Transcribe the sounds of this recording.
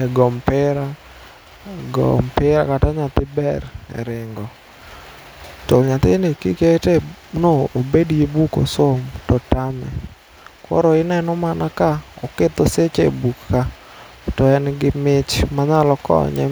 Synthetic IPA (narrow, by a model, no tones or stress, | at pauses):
ɛɡɔmpɪɾa | ɡɔ̰mpɪɾakataɲat̪ɪbɛɾɛ̰ɾɪŋɡɔ | tɔɲat̪ɪnɪkiketenoobedjebuko̰somtɔtamɛ̰ | kɔ̰ɾɔɪnɛnɔmanakaɔ̰ket̪ɔset͡ʃebukːa | tɔɛnɡɪmɪt͡ʃmaɲalɔkɔ̰ɲɛ̰